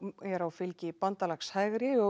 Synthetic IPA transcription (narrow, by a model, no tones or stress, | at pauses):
ɛɾawfɪlcɪpant̪alaxshajɣɾɪɔ